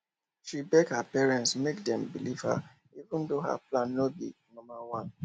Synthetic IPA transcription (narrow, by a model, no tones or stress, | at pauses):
ʃibɛkhəpɛɹɛ̃ntsmek̚dɛ̃mbiliv̥hə̰ | ivũndoɦa̰plãnːobḭnɔ̃mawãn